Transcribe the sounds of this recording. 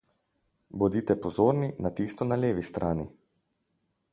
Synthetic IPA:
bɔd̪it̪ɛpɔzoːɾninat̪ist̪ɔnaleːʋist̪ɾʔaːnḭ

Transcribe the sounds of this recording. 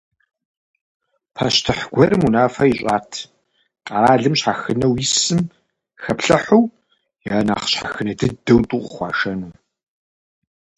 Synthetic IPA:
pʰaɕtʰɨħɡ̥ʷɐɾɨmunaːfɐjiɕʼaːtʰ | qʼɐɾaːɮɨmɕħaxɨnɐwjisɨm | xɐpɬɐħuw | jaːna̰ːχɕħa̰xɨnɐdɨdɐwtʼuqχʷɑ̰ːʃɐnuː

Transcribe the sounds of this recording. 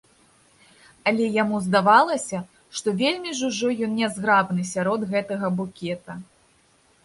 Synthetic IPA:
ɐlʲɛjamuzd̪avalˠɐsʲɐ | ʂt̪ɔvʲelʲmʲiʐuʐɔjɔnnʲɛzɣɾabnɨsʲaɾɔd̪ɣɛt̪ɐɣɐbukʲɛt̪ɐ

